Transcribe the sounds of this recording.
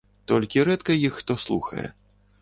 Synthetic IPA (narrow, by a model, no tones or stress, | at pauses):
t̪ɔlʲkʲiɾɛt̪kɐjixːt̪ɔslˠṵxɐ̰jɛ̰